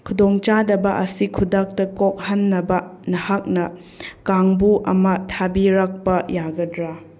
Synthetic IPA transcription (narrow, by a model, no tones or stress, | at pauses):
kʰudoŋt͡ʃadɐbɐʔɐsikʰudak̚tɐkok̚hɐnːɐbɐnɐhak̚nɐ | kaŋbuʔɐ̰mɐtʰabiɾɐk̚pɐjaɡɐdɾa